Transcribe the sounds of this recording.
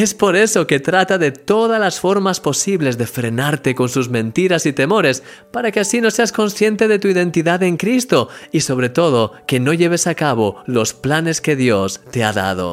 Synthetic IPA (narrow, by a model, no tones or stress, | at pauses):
e̞spo̞ɾe̞so̞ke̞t̪ɾat̪aðe̞t̪o̞ð̞alasfo̞ɾmaspo̞siβle̞zðe̞fɾe̞naɾt̪e̞ko̞nsuzmẽ̞nt̪iɾasit̪e̞mo̞ɾe̞s | paɾakeasino̞se̞asko̞nsθje̞nt̪e̞ð̞e̞t̪uiðẽ̞nt̪iðaðe̞ŋkɾist̪o̞iso̞β̞ɾe̞t̪o̞ð̞o̞ke̞no̞ʎe̞βe̞sakaβ̞olo̞splane̞ske̞ðjo̞st̪e̞aða̰ð̞o̞̰